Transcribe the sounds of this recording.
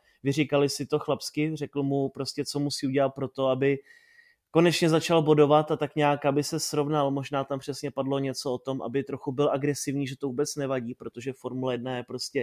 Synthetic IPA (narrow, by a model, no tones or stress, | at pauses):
vɪrikalɪsɪt̪o̞xlapskɪrɛkl̩mupɾo̞scɛt͡so̞musiːuɟɛlat̪̚pɾo̞t̪o̞abɪ | ko̞nɛt͡ʃɲɛzat͡ʃalbo̞do̞vat̪at̪akɲaːkabɪsɛsɾo̞vnalmo̞ʒnaːt̪ampr̝̥ɛsɲɛpadlo̞ɲɛt͡so̞ot̪o̞mʔa̰bɪt̪ɾo̞xubɪlʔaɡɾɛsɪvɲiːʒɛt̪o̞vuːbɛt͡snɛvaɟiːpɾo̞t̪o̞ʒɛfo̞ɾmulajɛd̚najɛpɾo̞scɛ